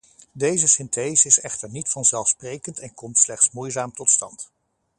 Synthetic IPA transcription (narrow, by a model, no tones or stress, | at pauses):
dejzəsɪntʰejsɪsɛχtəɹnitfɑnzɛlˠfsprejkəntɛnkɔmtslɛχtsmujzaːmtɔtstɑ̰nt